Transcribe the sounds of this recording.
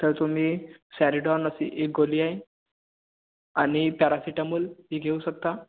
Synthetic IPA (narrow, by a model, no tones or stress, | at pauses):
t̪əɾt̪um̤iːsæɾiɖɔnəsḭʔek̚ɡoliːaɦe | añipaɾasiʈamuːlɦiːɡʱeuːɕək̚t̪a